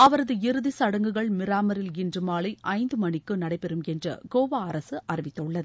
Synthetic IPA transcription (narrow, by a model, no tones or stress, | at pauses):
ɐʋɐɾɐðɯɪɾɯðisɐɽɐŋɡɯɣɐɭmɪɾaːmɐɾɪlɪndrɯmaːɭɐɪʔɐɪnd̪ɯmɐnɪkːɯnɐɽɐɪpɛɾɯmɛndrɐ̰ɡoːʋaːɐɾɐsɯʔɐrɪʋɪt̪ːɐɯɭːɐðɯ